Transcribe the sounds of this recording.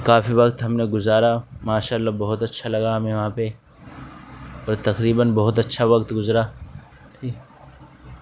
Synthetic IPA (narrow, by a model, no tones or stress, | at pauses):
kaːfiʋɐkt̪ɦɐmneɡʊzaːɾamaːʃaːlːabɐɦʊt̪ɐtːʃʰalɐɡaɦɐmẽʋɐɦãpe | ɔːɾt̪ɐqɾiːbənbɐɦʊt̪ɐtːʃʰaʋɐkt̪ɡʊzɾa | i